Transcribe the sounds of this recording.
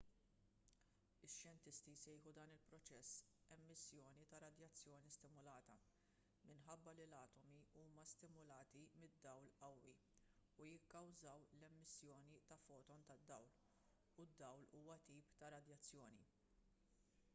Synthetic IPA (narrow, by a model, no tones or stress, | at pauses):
ɪʃjɛnt̪ɪst̪isɛjħud̪ɐːnɪlpɾɔt͡ʃɛsː | ɛmːɪsːjɔːnit̪ɐɾɐd̪jɐt͡sːjɔːnist̪ɪmʊlɐːt̪ɐ | mɪnħɐbːɐlilɐːt̪ɔmiuːmɐst̪ɪmʊlɐːt̪imɪd̪ːɐwlɐwːi | ujɪkːɐwzɐwlɛmːɪsːjɔːnit̪ɐfɔːt̪ɔnt̪ɐd̪ːɐwl | ud̪ːɐwluːwɐt̪iːpt̪ɐɾɐd̪jɐt͡sːjɔːni